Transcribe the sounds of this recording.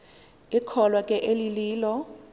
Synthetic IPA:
ikʰɔlwakʼɛʔeliliːlɔ

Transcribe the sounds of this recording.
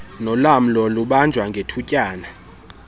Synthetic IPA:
nɔlam̩lɔluɓand͡ʒʱwaŋɡʱetʰucʼaːna

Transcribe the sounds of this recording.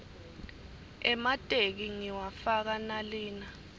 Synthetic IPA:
ɛmatʼek̬iŋiwafak̬analiːna

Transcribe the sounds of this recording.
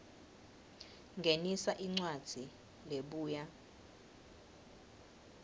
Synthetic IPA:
ŋɡʱenisaʔiŋ͡ǀwad̥z̥ʱi | leɓuːja

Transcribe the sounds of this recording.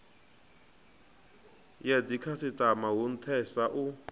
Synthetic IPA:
jad͡zikʰasɪtʼamaɦun̩tʰɛsaʔu

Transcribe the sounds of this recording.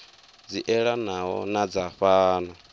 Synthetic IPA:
d͡ziʔɛɺanaɦɔ̰nad͡zaɸaːna

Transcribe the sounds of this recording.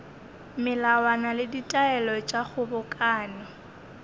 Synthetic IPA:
mɪlawanalɪditʼaɛlɔt͡ʃʼaχʊbʊkʼaːnɪ

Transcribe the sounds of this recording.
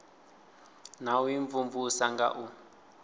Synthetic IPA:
nawiɱvuɱvusaŋɡa̰ʔu

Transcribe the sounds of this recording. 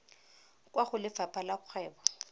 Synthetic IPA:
kʼwaχʊlɪfapʼalaʊk͡xʰɛːbɔ

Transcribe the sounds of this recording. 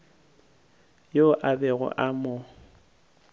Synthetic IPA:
joʔabɛɣʊ̰ʔamɔ

